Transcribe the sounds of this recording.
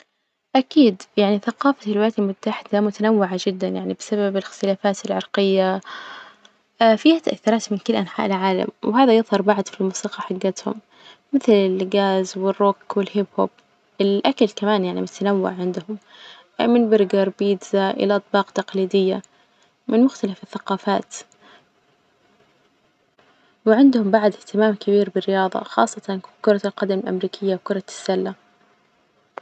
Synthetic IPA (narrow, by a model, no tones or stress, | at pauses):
ʔakiːd̪jaʕniθaqɑːfafɪlwɪlaːt̪almʊt̪ːaħɪd̪amʊt̪anawːɪʕaʒɪd̪ːanjaʕnibɪsababɪlɪxt̪ɪlaːfaːt̪ɪlʕɑɾˤqɪjːa | fiːhat̪aʔa̰θːʊɾˤɑːt̪mɪnkɪlːʔanħa̰ːʔɪlʕaːla̰mwɦaːðajɨðˤhɑɾˤbaʕd̪filmuːsiːqɑħaɡːat̪hʊ̰mː | ɪθlɪlɡaːzwɪrˤːokwɪlhɪbhob̥̚ | ʔɪlʔakalkamaːnjaʕnimʊt̪anawːa̰ʕʕɪnd̪ʊhʊm | mɪnbɪɾɡɑɾˤbiːd̪zaʔɪ̰laʔɑt̪ˤbɑːqt̪aqliːd̪ɪjːa | mɪnmʊxt̪alafɪθːaqɑːfaːt̪ | wɪʕɪnd̪hʊmbaʕd̪ɪht̪ɪmaːmkɪbiːɾbɪrɪjɑːðˤɑ̰xɑ̰ːsˤːɑt̪ɑnkʊɾˤɑlqɑd̪amɪlʔa̰mɾiːkʰɪjːawkʊɾˤɑsːalːa